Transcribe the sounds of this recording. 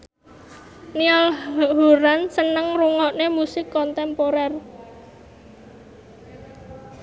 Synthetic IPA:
niɔlɦoɾansənəŋruŋɔʔnemusɪkːɔnt̪ɛmpoɾɛr

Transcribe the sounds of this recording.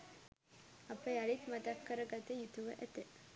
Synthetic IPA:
ɐpːɐjɐɭit̪mɐt̪akːɐɾɐɡɐt̪ejut̪uʋɐʔɐt̪e

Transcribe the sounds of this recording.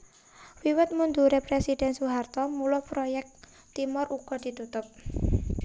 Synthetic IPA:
wiwət̪̚mund̪uɾepɾesid̥ɛ̤nsuɦart̪ɔmulɔpɾojɛk̚ | t̪imʊrʔuɡ̥ɔ̤d̪̥i̤t̪ut̪ʊp̚

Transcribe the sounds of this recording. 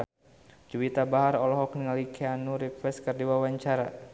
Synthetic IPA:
d͡ʒuwit̪abaɦaɾɔlɔɦɔk̚niŋalikʰeanuɾipɛskərdiwawaɲt͡ʃaɾa

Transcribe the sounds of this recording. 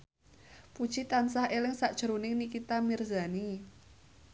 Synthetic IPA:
pud̥ʒ̥it̪ansahelɪŋsaʔd̥ʒ̥əɾunɪŋnikit̪amirzani

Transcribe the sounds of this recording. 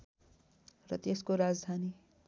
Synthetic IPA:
rʌt̪eskoɾad͡zd̪ʱani

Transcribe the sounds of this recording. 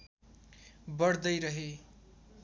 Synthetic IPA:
bʌɽd̪ʌjɾʌɦe

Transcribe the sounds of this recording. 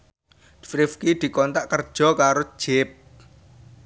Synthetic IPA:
fɾifkid̪̥i̤kɔnt̪aʔkərd̥ʒ̥ɔ̤kaɾo̥ʒ̥ep̚

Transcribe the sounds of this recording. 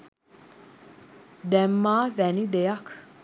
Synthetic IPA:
d̪ɛmːaːvænid̪ejakʰ

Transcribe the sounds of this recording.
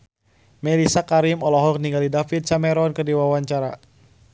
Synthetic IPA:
mɛlisakaɾimɔlɔɦɔkniŋɡalidafit̪̚samɛɾɔnkədiwawaɲt͡ʃaɾa

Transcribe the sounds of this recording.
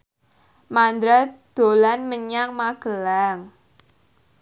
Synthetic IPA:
mand̪ɾad̪̥olanməɲaŋmaɡ̥əlaŋ

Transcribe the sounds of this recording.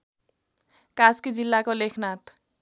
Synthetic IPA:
kaskid͡zilːakolekʰnat̪

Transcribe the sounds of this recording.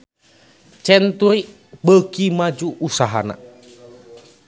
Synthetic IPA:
t͡ʃɛnt̪uɾiʔ | bəkimad͡ʒuʔːsaɦa̰na̰

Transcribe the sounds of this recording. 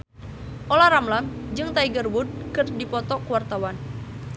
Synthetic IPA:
ʔolaɾamlamd͡ʒɨŋt̪aiɡərbʊd̚kɨrdipɔt̪ɔkuwart̪awan

